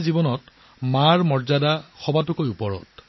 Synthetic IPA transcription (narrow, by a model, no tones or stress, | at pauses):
zibɔnɔt | maɹmɔɹzadaxɔbatukojupɔɹɔ̰t